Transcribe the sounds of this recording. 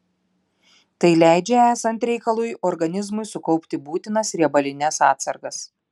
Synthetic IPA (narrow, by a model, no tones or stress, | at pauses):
t̪ɐɪlʲæˑɪd͡ʒʲɛæːsɐnʲt̪ɾʲɛɪkɐlˠuːjɔɾɡɐnʲɪzmʊɪsʊkɒʊpʲt̪ʲɪbuːt̪ʲɪnɐsɾʲiɛbɐlʲɪnʲɛsɑːt̪sɐɾɡɐs